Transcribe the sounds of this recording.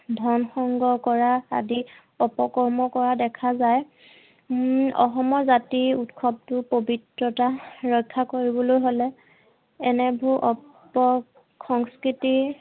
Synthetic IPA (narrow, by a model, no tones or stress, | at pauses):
dʱɔnxɔŋɡɔkɔɹa̰ːdi | ɔpɔkɔɹmɔkɔɹadɛkʰazaj | ɔ̰xɔmɔɹzatiutkʰɔb̚tʊpobitɹɔtaɹɔjkʰːakoɹibɔlojɦolɛ | ɛnɛbʱuʔɔpɔ | xɔŋskɹiti